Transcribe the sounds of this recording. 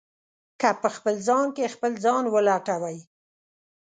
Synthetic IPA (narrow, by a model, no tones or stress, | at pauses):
kapəxpəlzɑnkexpəlzɑnwəlaʈawaj